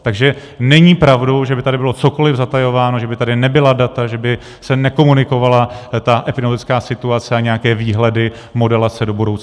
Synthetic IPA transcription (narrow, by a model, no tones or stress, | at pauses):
t̪aɡʒɛ | nɛɲiːpɾavdowʒɛbɪt̪adɪbɪlo̞t͡so̞ko̞lɪvzat̪ajo̞vaːno̞ʒɛbɪt̪adɪnɛbɪladat̪aʒɛbɪ | sɛnɛko̞munɪko̞valat̪aʔɛpɪdɛmd̪ɪt͡skaːsɪt̪uat͡sɛaɲɛjakɛːviːɦlɛdɪ | mo̞dɛlat͡sɛdo̞budo̞wt͡s